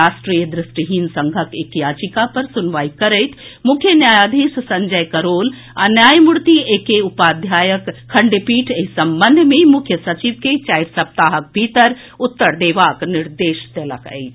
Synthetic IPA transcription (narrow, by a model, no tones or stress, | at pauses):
aːsʈɾijəd̪ɾɪsʈiɦinsəŋɡʱəkekjaːt͡ʃikapɐɾsʊnʋaːikɐɾəjt̪ʰmʊkʰjənjaːjad̪ʱissɐɲd͡ʒəjkəɾoːl | anjaːjmuɽt̪iekeupaːd̪ʱjaːjəkʰːɐɳɖepiːʈʰeɦsɐmbənd̪ʱmẽmʊkʰjəsɐt͡ʃiʋket͡ʃajɾsɐp̚t̪aːɦək̚bʱit̪əɾ | ʊt̪ːəɾd̪eːʋaːknɪɾd̪eːʃt̪elə̰kə̰jt͡ʃʰ